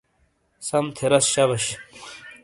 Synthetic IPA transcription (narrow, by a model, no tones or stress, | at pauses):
sɐmt̪ʰeɾɐsɕɐbɐɕ